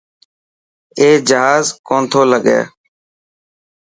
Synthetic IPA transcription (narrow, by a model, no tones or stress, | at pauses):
eːd͡ʒəɦaːzkoːnt̪ʰoːləɠḛː